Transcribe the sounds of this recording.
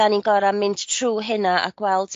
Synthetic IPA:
aninɡɔɾamɪnttʰruːɦɪnaʔa̰ɡ̥wɛlˠd̥

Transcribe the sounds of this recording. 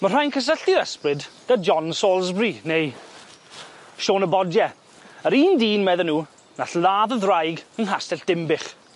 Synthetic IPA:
mər̥ajnkʰəs̬əɬiɾɛsprɪdd̥ad͡ʒɔnsoːlˠzbriːnej | ʃoːnəbɔdjɛ | əɾiːndiːnmɛðənuː | naɬlˠaːðəðrajɡənɦastɛɬd̥ɪmbɪχ

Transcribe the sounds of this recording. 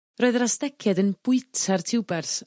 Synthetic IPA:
roːɨðrastɛkʰɛdənb̥ʊɨtʰartʰɪwbɛrθ

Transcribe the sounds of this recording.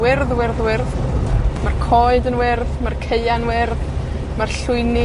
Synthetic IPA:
wɪrðwɪrðwɪrðmarkʰɔɨdənwɪrðmarkʰejanwɪrð | marɬʊɨnɪ

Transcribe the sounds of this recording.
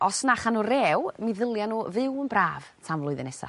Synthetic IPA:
ɔsnaχanureːwmiðəlˠjanuːvɨwənbraːv̥tʰamvlˠʊɨðənɛsa̰

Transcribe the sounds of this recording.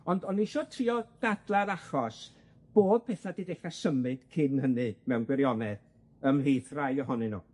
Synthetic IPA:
ɔndɔnːiʃɔtʰriːɔɡ̥ad̥lˠaɾaχɔs | b̥oːðpʰɛθadideχasəmɨd̥kʰɪnɦənɨmɛwnɡwɛɾjɔnɛð | əmhiːθrajɔɦɔnɨnṵː

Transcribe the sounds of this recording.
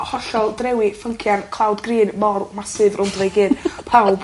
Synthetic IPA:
hɔɬɔlˠdrɛwifəŋkʰjankʰlˠawdɡriːnmɔrmasɨðrʊndvejɡɨːdpʰawb

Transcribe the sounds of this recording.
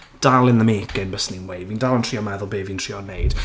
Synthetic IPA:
d̥alˠɪnðəmeːɡɪnbəsninwejvindalˠəntʰriːɔmɛðʊlˠbeːvintʰr̥iːɔnːejd̥

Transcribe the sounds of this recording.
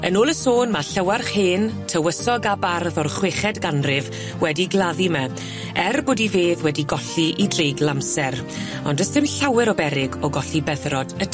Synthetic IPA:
ənoːlˠəsoːnmaɬəwarχheːntʰəwəsɔɡabarðɔrχweːχɛdɡanrɪv | wɛdiɡlˠaðimɛ | ɛrboːdiveːðwɛdiɡɔɬiʔidrejɡlˠamsɛɾ | ɔndəsθɪmɬawɪɾɔbɛɾɪɡɔɡɔɬibɛðrɔd̥ə

